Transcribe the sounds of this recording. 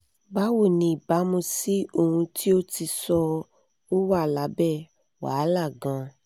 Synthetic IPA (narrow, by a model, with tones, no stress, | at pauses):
ba˦wo˦˨nĩ˧i˨ba˨˦mũ˧si˦o˦˨hũ˧ti˦o˦ti˧sɔ˧ | o˦wa˦˨la˨˦bɛ˦˨ | wa̰˨˦la˦˨ɡã˧